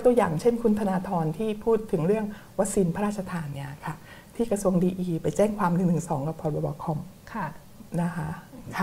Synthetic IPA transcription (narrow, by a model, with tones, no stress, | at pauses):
t̪u˧əjaː˨˩ŋt͡ɕʰe˥˩nkʰu˧nt̪ʰa˧naː˧t̪ʰɔː˧nt̪ʰiː˥˩pʰuː˥˩t̪ʰːɯ˩˦ŋɾɯ˥˩əŋwa˦˥k̚siː˧npʰa˧ɾaː˥˩t̪̚t͡ɕʰa˧t̪ʰaː˧nːi˧˩ɐkʰa˥˩ | t̪ʰiː˥˩kɾa˧su˧əŋdiː˧ʔiː˧pa˧jt͡ɕɛː˥˩ŋkʰwaː˧mnɯ˨˩ŋt̪ʰɯ˨˩ŋsɔː˩˦ŋka˨˩pʰɔ˨˧t̚bɔ˧˩bɔː˧˩kʰɔ˧mkʰ | na˦˥kʰa˦˥ʔʰ